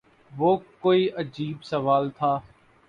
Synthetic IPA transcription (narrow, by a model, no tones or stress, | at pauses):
ʋoːkoːiʔəd͡ʒiːbsɐʋaːlt̪ʰaː